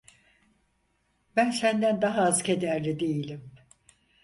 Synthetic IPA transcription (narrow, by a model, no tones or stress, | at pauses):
bænsænd̪ænd̪aɦaːzkʰed̪æɾlʲid̪ejilʲim